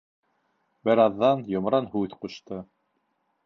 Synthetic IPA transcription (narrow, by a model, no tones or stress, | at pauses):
bɘ̆ɾɑðːɑnjŏmɾɑnhʉθquʃt̪ɤ